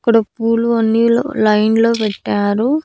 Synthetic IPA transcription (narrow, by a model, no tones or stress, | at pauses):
kːɐɽɐpuːluɐnːilo̰lɐjnlo̞ːpɛʈːaːɾu